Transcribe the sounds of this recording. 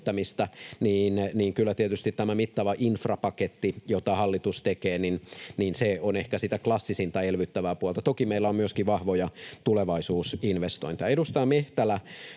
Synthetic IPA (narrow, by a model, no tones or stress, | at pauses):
t̪ːæmist̪æniːnniːŋkylːæt̪iet̪yst̪it̪t̪æmæmit̪ːɑʋɑʔinfrɑpɑket̪ːijot̪ɑhɑlːit̪ust̪ekeːninniːnseonehkæsit̪æklɑsːisint̪ɑelʋyt̪ːæʋæːpuolt̪ɑt̪okimeilːæommyøskiʋɑhʋojɑt̪uleʋɑisuːsinʋest̪oint̪iɑedust̪ɑːmeht̪ælæ